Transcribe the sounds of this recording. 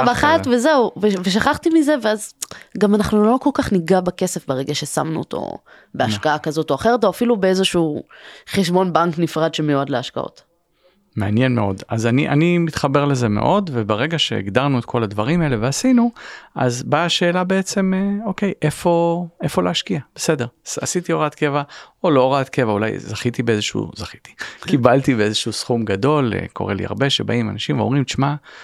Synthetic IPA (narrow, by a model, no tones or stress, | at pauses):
aχavezeuveveʃ̬aχaχt̪imize̞veazɡamanaχnulo̞ko̞lkaχniɡabakese̞fbeʁeɡaʃe̞sa̰mnṵo̰t̪ʰo̞̰ | beaʃkaakazo̞to̞aχe̞ʁeto̞afilubeezoʃuχeʃbo̞nbaŋknifʁad̪ʃemejuadleaʃka̰o̰t | meanjenmeo̞̰dazaniʔa̰nimit̪χabe̞ʁlezemḛʔo̞dvebeʁeɡaʃḛːɡdaʁnuet̪̚kʰo̞ladvaʁimaele̞veasinuʔa̰zbaʃe̞ːlabe̞et͡se̞meo̞ke̞jʔe̞fo̞e̞fo̞leaʃkiab̥ese̞de̞ʁasit̪io̞ʁat̪ke̞vaolooʁaat̪ke̞vaula̰jzaχit̪ibeezeʃṵzaχi̥t̪i̥kibalt̪ibeezeʃuusχumɡado̞lḛkʰo̞ʁḛlḭa̰ʁbe̞ʃe̞̰ba̰imanaʃimveomʁimt͡ʃma